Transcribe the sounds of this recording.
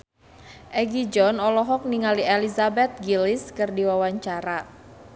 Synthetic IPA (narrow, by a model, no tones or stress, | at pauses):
ʔɛɡid͡ʒɔnɔlɔɦɔk̚niŋaliɛlizabɛt̪̚ɡiliskɨrdiwawaɲt͡ʃaɾa